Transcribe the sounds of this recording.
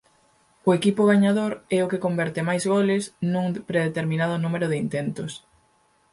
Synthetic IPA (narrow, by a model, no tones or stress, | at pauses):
ʊekipʊɣ̞aɲaðoɾɛʊkɪkombɛɾt̪ɪmajzɣolɪsnuŋpɾeðet̪eɾminað̞ʊnumeɾʊðɪint̪ent̪ʊs